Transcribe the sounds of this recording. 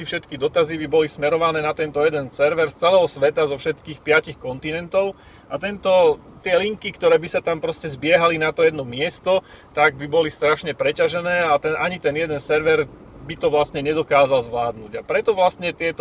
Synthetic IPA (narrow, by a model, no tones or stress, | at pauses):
ifʃɛt̪kid̪ɔt̪azibibɔlismɛɾɔʋanɛːnat̪ɛnt̪ɔjɛd̪ɛnsɛɾʋɛɾst͡sɛlɛːɦɔsʋɛt̪azɔfʃɛt̪kiːxpɪacixkɔnt̪inɛnt̪ɔʊ | at̪ɛnt̪ɔ | t̪ɪɛliŋkikt̪ɔɾɛːbisat̪ampɾɔscɛzbɪɛɦalinat̪ɔjɛd̪nɔmɪɛst̪ɔt̪aɡ̚bibɔlist̪ɾaʃɲɛpɾɛcaʒɛnɛːat̪ɛnʔaɲit̪ɛnjɛd̪ɛnsɛɾʋɛɾ | bit̪ɔʋlast̪ɲɛɲɛd̪ɔkaːzalzʋlaːd̪nuɟapɾɛt̪ɔʋlast̪ɲɛt̪ɪɛt̪